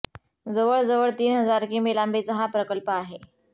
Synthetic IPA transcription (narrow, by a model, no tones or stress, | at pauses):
d͡zəʋəɭd͡zəʋəɭt̪iːnɦəd͡zaɾkiːmelambet͡səɦapɾəkəlpəaɦe